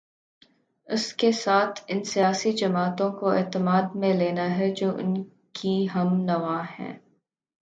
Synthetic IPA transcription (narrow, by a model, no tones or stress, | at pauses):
ʊskesaːt̪ʰɪnsijaːsid͡ʒɐmaːt̪õkoɛ̰ːt̪əmaːd̪mẽleːnaɦɛd͡ʒoːʔʊ̰n | kʰiɦɐmnɐʋaːhɛ̰̃ː